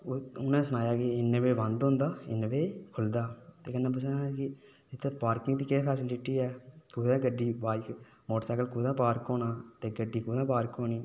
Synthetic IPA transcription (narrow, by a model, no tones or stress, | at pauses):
ʊnãːsəñaːjaːkeɪnʋeːʋə̃nd̪ɦʊ̃nd̪aːɪ̰nʋeːkʰʊld̪aːt̪eːkənːãːp̬ʊsãkɪ | ɪt̪ʰːeːpaːɾkɪŋɡt̪iːkeːpʰɛːsɪlɪʈiːɛːkuːd̪ɛ̃ːɡəɖːiːʋaːik | moːʈːsɛːkəlkuːd̪ãːpaːɾkoːnaːt̪eːɡəɖːiːkuːd̪ãːpaːɾkoːniː